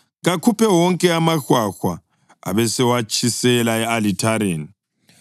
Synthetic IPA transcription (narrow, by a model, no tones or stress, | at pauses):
ɣakʰupʰɛwɔŋkʼɛamaxwaxwa̰ | a̰βɛsɛwat͡ʃʼʰisɛlaɛalitʰaɾeːni